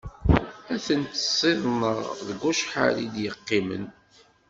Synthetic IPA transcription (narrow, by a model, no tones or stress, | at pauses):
æθənt̪ə̥sˤːɪðˤnəʁðəɡʷːuʃħa̰lid̪jəqːimə̰n